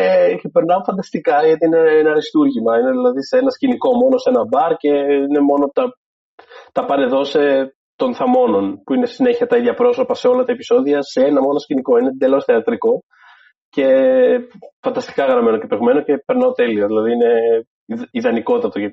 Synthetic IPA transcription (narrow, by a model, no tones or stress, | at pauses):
epe̞ɾnɐofɐnd̪ɐst̪ikɐʝɐt̪iineenɐɾist̪uɾʝimɐineðilɐðiseenɐsciniko̞mo̞no̞se̞nɐbɐɾce̞ine̞mo̞no̞t̪ɐ | t̪ɐpɐne̞ðo̞se̞ | t̪o̞nθɐmo̞no̞npuinessine̞çiɐt̪ɐiðʝɐpɾo̞so̞pɐse̞o̞lɐt̪ɐepi̥so̞ðiɐse̞enɐmo̞nosciniko̞ined̪e̞lo̞sθeɐt̪ɾiko̞ | ce̞ | fɐnd̪ɐst̪i̥kɐɣɾɐme̞noce̞peɣme̞noce̞pe̞ɾnɐot̪e̞lio̞ðilɐðiine̞ | iðɐniko̞t̪t̪ɐt̪oʝɐt̪